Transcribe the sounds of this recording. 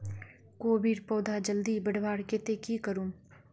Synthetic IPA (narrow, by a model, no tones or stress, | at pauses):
koːbiːɽpɔːd̪ʱad͡ʒəld̪ibəɽʋaːɽket̪ekikəɾũː